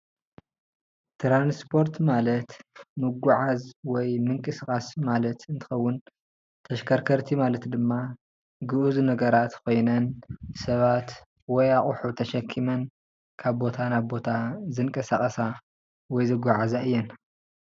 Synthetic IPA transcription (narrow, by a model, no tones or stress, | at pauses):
t̪ɾanspʰo̞ɾt̪malɐt̪mɨɡʷuʕazwɔjmɨŋkʼɨsɨkʼasmalɐt̪ɨnt̪ʰɨ̥xɐwːʊn | t̪ʰɐʃkʰɐɾkʰɐɾt̪ʰimalɐt̪d̪ɨmːa | ɡɨʔuznɐɡɐɾat̪kʰo̞jnɐnsɐβat̪ | wɔjaχʼuħut̪ʰɐʃɐkʰːimɐn | kʰaβbo̞t̪ʰanaβbo̞t̪ʰazɨŋkʼɐsaχʼɐsa | wɔjzɨɡʷaʕazaɨjːɛn